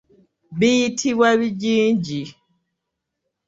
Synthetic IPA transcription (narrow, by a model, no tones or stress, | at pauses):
biitʰiβwaβid͡ʒiːɲd͡ʒi